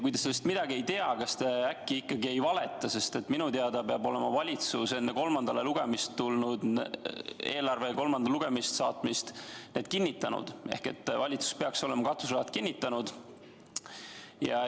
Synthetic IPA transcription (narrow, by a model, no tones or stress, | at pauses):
kujd̪ɑselːest̪mid̪ɑɡiejt̪eɑkɑst̪eækːiikːɑɡie̞jvɑle̞t̪ːˑɑse̞st̪e̞t̪ːˑminut̪eɑd̪ɑpeɑbo̞le̞mɑvɑlʲit̪suse̞nːeko̞lmɑnd̪̥ɑle̞luɡ̥e̞mist̪ːulnud̪ | e̞̰ːlɑrve̞ko̞lmɑnd̪ɑluɡ̥e̞mist̪sɑːt̪mist̪ne̞ːd̪̥̚kinʲːit̪ːˑɑnṵd̪̥e̞hke̞̰t̪ːvɑlʲit̪su̥speɑkso̞le̞mɑkɑt̪vusɑɑt̪kinʲːit̪ːɑnud̪̥ | jɑ̰